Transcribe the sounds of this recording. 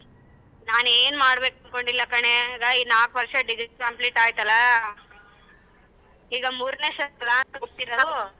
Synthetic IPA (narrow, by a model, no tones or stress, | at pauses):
naːneːnmaːɽbeːkɐnko̞ɳɖilːɐkɐɳe̞ːɡɐiːnaːkʋɐɾʂɐɖid͡ʒikkɐmpliʈaːjt̪ɐlːɐ | iːɡɐmuːɾneːʂɐtɐlːɐːnt̪ɐɡopt̪ːiɾɐd̪u